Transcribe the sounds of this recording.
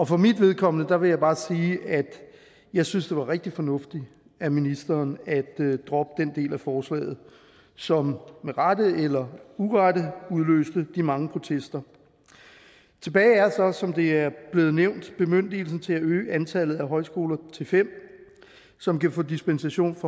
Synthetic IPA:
ɒ̽fɒ̽mid̥ʋe̝ð̞ˠkʰɒ̽m̰nəd̥ɑ̈ʋe̝jɑ̈ɪb̥ɑ̈ːsiːæd̥ | jɑ̈ɪsynsd̥e̝ʋɑ̈ʁeɡ̥̚d̥ifɒ̽nɔ̽fd̥i | æminisd̥ɐːnæd̥ːʁɒ̽b̥əd̥end̥e̝̰ːlæfɒːslɛ̰ːɪð̩ˠ | sɒ̽mmeʁadəelɐuʁɑdəuðˠlø̰ːsd̥əd̥imɑ̈ŋəpʰʁo̝t͡sʰesd̥ɐ | t͡sʰe̝b̥ɛːɪæɐsɒ̽sɒ̽md̥e̝æɐb̥le̝ːð̩ˠneʊ̰nd̥b̥e̝møn̰d̥il̩sn̩t͡sʰe̝læøːʔænt͡sʰælð̩ˠæɦɒ̽ɪsɡ̥o̝ːlɐt͡sʰe̝lfem̰ | sɒ̽mkæfɔ̰ːd̥isb̥ensæɕo̝̰ːnfɒ

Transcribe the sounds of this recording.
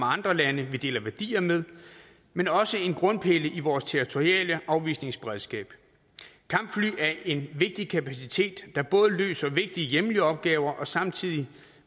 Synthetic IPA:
ɑ̈nd̥ʁɐlænəʋid̥e̝ːlɐʋæɐd̥ḭːɐmeð̞ˠ | menɒ̽səe̝nɡ̥ʁɔ̽npʰe̝ləʔiʋɒːst͡sʰeit͡sʰo̝ʁiɛ̰ːləʔɑ̈ʊʋḭːsne̝ŋsb̥eʁɛðˠsɡ̥ɛ̰ːb̥ | kʰɑ̈m̰b̥fly̰ːæɐʔe̝nʋe̝ɡ̥̚d̥ikʰæpʰæsit͡sʰe̝̰ːd̥ːɑ̈b̥ɔ̽ːð̞ˠəlø̰ːsɐʋe̝ɡ̥̚d̥iəjeməliəɒ̽b̥̚ɡ̥ɛːʊɐʔɒ̽sɑ̈mt͡sʰið̞̰ˠi

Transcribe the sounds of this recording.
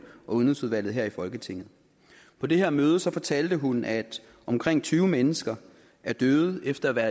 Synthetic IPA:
ɒ̽uðˠnisuð̞ˠʋæl̰ð̩ˠɦeɐ̰ifɒ̽lɡ̥ət͡sʰe̝ŋ̰ð̩ˠ | pʰɒ̽d̥e̝ɦeɐ̰møːð̞ˠəsɒ̽fɒ̽t͡sʰæld̥əɦunʔæd̥ | ɒ̽mkʰʁeŋ̰t͡sʰyːʊmenəsɡ̥ɐ | æɐd̥øːð̩ˠefd̥ɐæʋæːɐ

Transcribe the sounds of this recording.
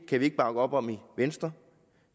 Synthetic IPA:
kʰæʋie̝ɡ̥əb̥ɑ̈ɡ̥əɒ̽b̥ɒ̽m̰iʋensd̥ɐ

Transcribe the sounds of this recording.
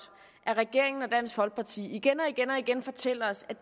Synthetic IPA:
ʔæɐʁɛɡ̥e̝ɐ̰eŋn̩ɒ̽d̥æn̰sfɒ̽lɡ̥̚pʰɑ̈t͡sʰḭːiɡ̥enɒ̽iɡ̥enɒ̽iɡ̥enfɒ̽t͡sʰel̰ɐɒ̽sæ̥

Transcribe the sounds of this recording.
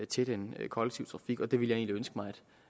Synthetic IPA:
t͡sʰe̝d̥enkʰɒ̽leɡ̥̚t͡sʰiʊ̰t͡sʰʁɑ̈fiɡ̥ɒ̽d̥e̝ʋilje̝ːnliønsɡ̥əmɑ̈ɪæd̥

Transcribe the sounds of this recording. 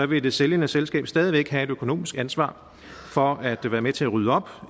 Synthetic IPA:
ɒ̽ʋe̝d̥e̝seljənəselsɡ̥ɛ̰ːb̥sd̥ɛːðˠiʋeɡ̥ɦæe̝d̥økʰo̝no̝̰ːmisɡ̥ænsʋɑ̰̈ː | fɒ̽æd̥ʋæːɐmet͡sʰe̝æʁyːðˠəɒ̽b̥

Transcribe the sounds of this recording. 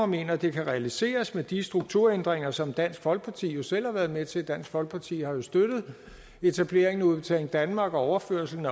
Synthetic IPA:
ɒme̝̰ːnɐd̥e̝kʰæʁɛælise̝̰ːɐsmed̥isd̥ʁuɡ̥̚t͡sʰuɐend̥ʁeŋɐsɒ̽md̥æn̰sɡ̥fɒ̽lɡ̥̚pʰɑ̈t͡sʰḭːjo̝sel̰hɑ̈ʋæɐð̞̩ˠmet͡sʰe̝d̥æn̰sɡ̥fɒ̽lɡ̥̚pʰɑ̈t͡sʰḭːhɑ̈jo̝sd̥ød̥ð̞̩ˠ | e̝t͡sʰæb̥le̝ɐ̰eŋnuðˠb̥et͡sʰɛ̰ːleŋd̥ænmɑ̈ːɡ̥ɒ̽ɒʊɐføɐsl̩n̩æ

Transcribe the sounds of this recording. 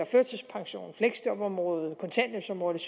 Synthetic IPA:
ɑføɐ̥sʰespʰɑ̈ŋɕo̝̰ːnfleɡ̥sd̥ɒb̥ɒ̽mʁɔːð̩ˠkʰɔ̽nsʰæ̰nəsɒ̽mʁɔːð̩ˠs

